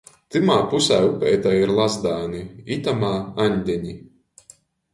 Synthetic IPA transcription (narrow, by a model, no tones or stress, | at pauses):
t̪imaːpusaːupʲɛjt̪aiɾlˠazd̪aːniit̪amaːaɲʲd̪ʲɛɲi